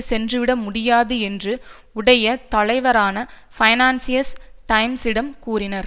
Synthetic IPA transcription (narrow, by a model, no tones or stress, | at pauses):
sɛndrɯʋɪɽɐmːʊɽɪjaːðɯɛndrɯ | ʊɽɐjɐt̪ɐɭɐɪʋɐɾaːnɐ | fɐɪnaːnsɪjɐsʈɐɪmsɪɽɐmkuːɾɪnɐɾ